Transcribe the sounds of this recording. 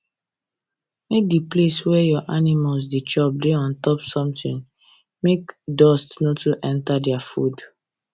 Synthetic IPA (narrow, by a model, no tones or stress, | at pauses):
mek̚dipleswɛjɔʔanimals̬det͡ʃɔb̚deɔ̃ntɔpsɔ̃mtĩn | mekdɔstnotuʔɛ̃ntadɛafṵd